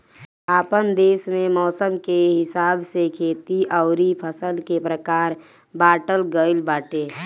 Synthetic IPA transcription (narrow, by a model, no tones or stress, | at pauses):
aːpənd̪eːsmẽmɔːsəmkeɦɪsaːbsekʰeːt̪iʔəʊɾipʰəsəlkepɾəkaːɾ | baːʈəlɡəɪlbaːʈeː